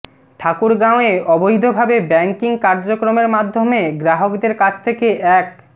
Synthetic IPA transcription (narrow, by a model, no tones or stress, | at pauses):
ʈʰakuɾɡãoeɔboɦid̪ʱobʱabebɛŋkiŋkaɾd͡ʑokɾomeɾmad̪ʱːomeɡɾaɦokd̪eɾkat͡ɕʰt̪ʰekeʔɛk̚